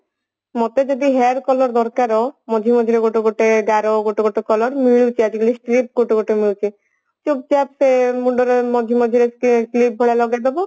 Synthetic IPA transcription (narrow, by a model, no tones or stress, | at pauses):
mɔt̪ed͡ʒɔd̪iɦeɾkɔlɔɾd̪ɔɾkaɾɔmɔd͡ʒʱimɔd͡ʒʱiɾeɡoʈoɡoʈeɡaɾoɡoʈeɡoʈekɔlɔɾmiɭut͡ʃʰiad͡ʒiɡulisʈɾip̚ɡoʈeɡoʈemiɭut͡ʃʰi | t͡ʃub̚d͡ʒapsemuɖɔɾemɔd͡ʒʱimɔd͡ʒʱiɾeklip̚ːɔɭelɔɡed̪ebo